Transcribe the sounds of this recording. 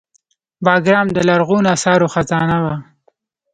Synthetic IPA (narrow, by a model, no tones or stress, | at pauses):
bɑɡɾɑmd̪əlaɾɣunasɑɾoxazɑnawa